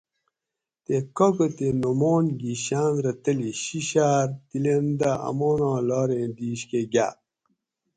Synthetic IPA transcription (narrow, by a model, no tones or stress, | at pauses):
t̪ekokot̪enomoːnɡiɕaːnɾɐt̪ɐliɕiɕaːɾt̪ilend̪aɐ̰moːnãːlɑːɾẽːd̪iːɕkeɡa̰ː